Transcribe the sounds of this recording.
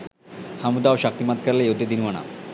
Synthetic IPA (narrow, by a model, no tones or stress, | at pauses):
hamud̪aoʃak̚t̪imat̪̚kaɾlejod̪ʱed̪inwana̰